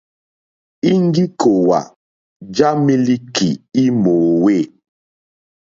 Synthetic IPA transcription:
i˦ŋ˦ɡi˦kʰo˨wa̰˨ | d͡ʒa˦mi˦li˦ki˨i˦mo˨we˦˨

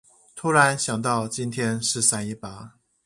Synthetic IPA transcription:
t̪ʰu˥ɻa˧˦nɕjɑ˨˩ŋt̪ɑ˥˨ʊt͡ɕi˦˥nt̪ʰjɛ˥nʂɻ̩˥˨sa˥ni˥˩pa˨˦

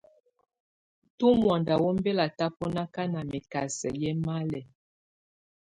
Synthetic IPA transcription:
tu˦mwa˨nda˨wo˦m˦be˦la˨ta˦pɔ˦na˦ka˦na˨mɛ˨ka˨sɛ˨jɛ˦ma˦lɛ˨

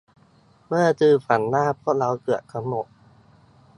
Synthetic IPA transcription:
mɯ˥˩ɐt͡ɕɯː˧fa˩˦nːaː˥˩pʰɔ˦˥la˧wkɯ˨˩ətkʰa˧˥mno˨˩t̚

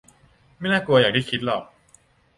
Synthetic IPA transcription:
ma˥˩jnaː˥˩ku˧ɐjaː˨˩k̪̚ʰiː˥˩kʰi˦˥t̪̚lɔ˨˩k̚

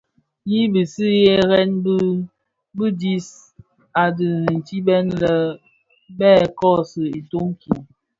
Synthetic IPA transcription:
ji˦bi˨si˦je˦ɣɛ˦nb | bɨ˦di˦s | a˨dɨ˨n̩˨t͡ʃi˦bɛ˦nlə˨ | bɛː˦˨kɔ˦sɨ˨i˨to˦ŋ˦kʰi˨

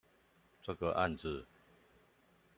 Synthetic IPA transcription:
t͡sə˥˧˩ɡə˨ʔa̰˥˧˨nd͡z̩˨

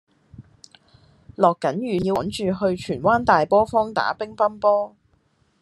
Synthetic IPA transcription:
lɔː˨˩kːɐ˨˥njyː˨jiː˧˨˥nt͡ʃyː˨ɦɵ˧ɥt͡ʃʰyː˨˩nwaː˥nt̪aː˨jpɔː˥fɔː˥ŋt̪a̰ː˨˥pɪ˥ŋpɐ˥mpɔː˥

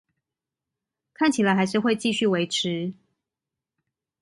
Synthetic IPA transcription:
kʰa˥˩nt͡ɕʰi˨˩la˨˦ɪxa˧ɪʂ̬ɻ̩˥˧xwe˥˧ɪt͡ɕi˥˧ɕy˥˩we˧˦ɪʈ͡ʂ̩ʰ˨˦

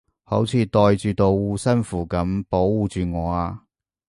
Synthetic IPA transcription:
ho˨˥wt͡sʰiː˨˧t̪ɔː˨jt͡ʃyː˨˧t̪o˨˧wuː˧sɐ˥nfuː˨˩kɐ˨˥mpo˨˥wːuː˨˧t͡ʃyː˨ŋɔː˨˧aː˧

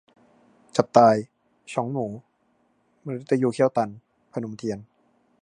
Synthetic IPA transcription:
t͡ɕa˨˩p̚t̪aː˧j | t͡ɕʰɔ˩˦ŋnuː˩˦ | ma˧ɾe˦˥t̪ːa˧juː˧˩kʰi˥˩əwt̪a˧˩n | pʰa˧nu˩˦mt̪ʰi˧ən

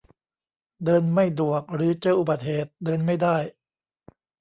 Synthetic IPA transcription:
dɤː˧nma˥˩jdu˨˩ək̚ɾɯː˩˦t͡ɕɤː˥˧˩ʔu˨ba˨˩t̪̚heː˨˩t̪̚dɤː˧nma˥˩jdaː˥˩j

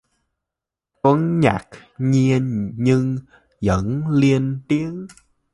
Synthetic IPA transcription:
t̪wə˨˦nɲa̰˨˩k̚ɲi˧ənɲɨ˧ŋ | zə̰˧˥nli˧ənt̪i˨˦əŋ

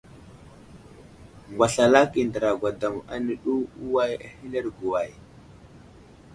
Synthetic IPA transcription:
ŋɡwa˨ɬa˨la˦ki˨ndə˨ɾa˨ɡʷa˨da˨ma̰˨ni˨ɗu˦u˦wa˦ja̰˨hi˦le˦ɾɡu˨wa˨j

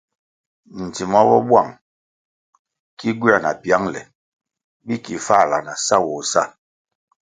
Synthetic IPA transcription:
n̩˨ti˨mɔ˦bɔ˦bwa˦˨ŋ | ki˦ɡwi˦a˦˨na̰˨pja˦ŋlɛ̰˨ | bi˦ki˨fa˦˨la˨na˨sa˦wɔ˨sa˦˨

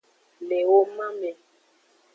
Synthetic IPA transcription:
le˨wo˦mã˦mɛ˨

